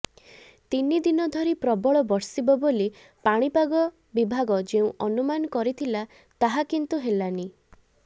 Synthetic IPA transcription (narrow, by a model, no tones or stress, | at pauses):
t̪inid̪inɔd̪ʱɔɾipɾɔbɔɭɔbɔɽsibɔboli | paɽ̃ipaɡɔ | bibʱaɡɔd͡ʒeũʔɔnumanɔkɔɾit̪ʰila | t̪aɦakint̪uɦelani